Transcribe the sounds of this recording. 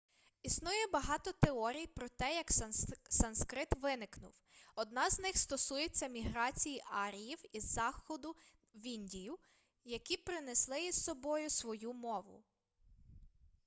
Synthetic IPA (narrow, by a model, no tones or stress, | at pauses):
isnujɛbɐɦɑt̪ɔt̪eɔɾʲijpɾɔt̪ɛjɐksɐnskɾɪt̪ʋɪnɪknʊ̰w | ɔd̪̚nɑznɪxst̪ɔsujet͡sʲːɐmʲiɦɾɑt͡sʲijiʔɑɾʲijiwizːɑxɔd̪ʊ | ʋʲinʲdʲijʊ | jɐkʲipɾɪneslˠɪissɔbɔjʊsʋɔjumɔʋʊ̰